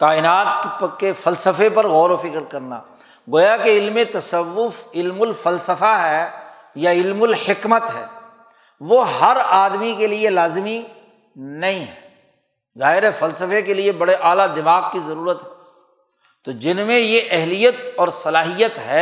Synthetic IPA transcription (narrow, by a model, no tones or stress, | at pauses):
kaːɪnaːt̪kefɐlsəfepɐɾɣɔːɾofɪkɾkɐɾna̰ː | ɡoːjakeɪlmẽt̪ɐsəʋːʊfɪlmʊlfɐlsəfaɦɛː | jaɪlmʊlhɪkmət̪ɦɛ̰ː | ʋoɦɐɾaːd̪mikelielaːzmi | nɐɦĩɦɛː | zaːɦɪɾɦɛfɐlsəfekeliebɐɽeʔaːlad̪ɪmaːɣkizɐɾuːɾət̪ɦɛɛː | t̪oːd͡ʒɪnmẽjeʔɛɦlijət̪ɔːɾsɐlaːɦijət̪ɦɛː